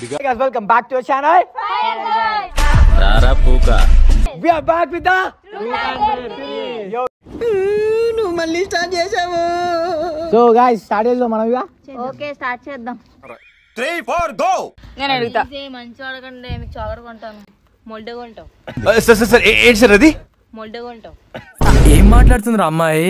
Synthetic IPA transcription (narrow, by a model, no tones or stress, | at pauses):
ɡajzʋɛlk̬ɐmbaːk̚ʈuɐʃaːnaj | da̰ːɾaːpuːka̰ʋiabaːkʋid̪a | o | nuʋumɐlːiːsʈaːʈ̚d͡ʒeːsaːmu | soɡaːjzsʈaːɖiɐzloːmɐnɐ̃miaː | oːkesʈaːʈ̚t͡ʃɛːd̪am | t̪ɾiːpʰoːɾd̪oneːnɐɽiɡut̪amɐɲt͡ʃiɐɽɐkɐɳɖeːmik̚t͡ʃɔːɡɐɾɐkoɳʈaːnu | molɖɐɡoɳʈɐ | sɐɾs̬ɐɾs̬ɐɾeʔeːɳʈis̬ɐɾɐd̪i | moɖɐɡoɳʈɐ | aeːmːaːʈlaːɽt̪und̪iɾamːaːje